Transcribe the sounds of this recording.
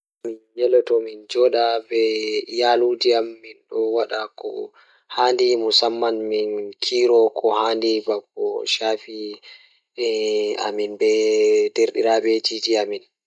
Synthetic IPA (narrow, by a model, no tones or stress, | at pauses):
minjɛlɛtɔmind͡ʒɔɗabɛjaːlud͡ʒiamːinɗɔwaɗakɔ̰ | handimusamːanminkʰiːɾɔkʰɔhaːndibakːɔʃaːfi | ɛa̰minbɛdeɾɗiɾabɛd͡ʒiːd͡ʒiamin